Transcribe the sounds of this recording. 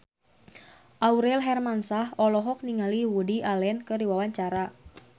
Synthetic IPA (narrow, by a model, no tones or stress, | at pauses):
ʔauɾɛlɦɛrmansahɔlɔɦɔk̚niŋaliwudiʔalɛnkɨdiwawaɲt͡ʃaɾa